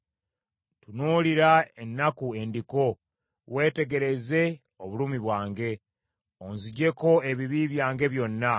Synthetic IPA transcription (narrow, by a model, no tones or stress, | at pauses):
tunuːliɾaenːakue̞ndiko̞ | we̞ːte̞ɡe̞ɾe̞ze̞ | oβuluːmiβwaːŋɡe̞ | onziɟe̞ko̞e̞βiβiβjaːŋɡe̞βjo̞nːa